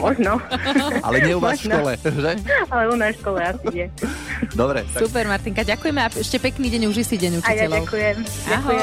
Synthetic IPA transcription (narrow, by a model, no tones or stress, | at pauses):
mɔʒnɔa̰lɛɲɪɛumaʃkɔlɛʒɛalɛunaʃkɔlɛasiɲɛd̪ɔbɾɛ̰supɛɾmaɾt̪iŋkaɟakujɛmɛaɛʃcɛpɛkniːɟɛɲuʒisiɟɛɲut͡ʃiɛʎɔaʊkujɛmʔaakɦɔjɛ